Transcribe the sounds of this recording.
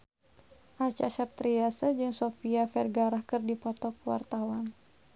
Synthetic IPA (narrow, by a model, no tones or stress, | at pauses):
ʔat͡ʃa̰sap̚t̪ɾiasəd͡ʒɨŋsofiafɛrɡaɾahkɨrdipɔt̪ɔkwa̰rt̪awan